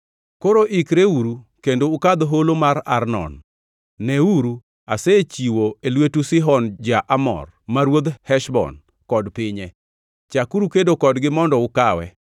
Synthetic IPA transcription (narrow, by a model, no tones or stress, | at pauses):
koɾoʔikɾeuɾukendoːkad̪oɦolomaɾa̰rnɔ̰nː | ɛuɾu | aset͡ʃiwoelwetusɪɦɔnd͡ʒaʔamɔ̰r | maɾwod̪hɛʃbɔ̰n | kɔdpɪɲɛ | t͡ʃakuɾukedokɔdɡɪmɔndɔʊkawɛ̰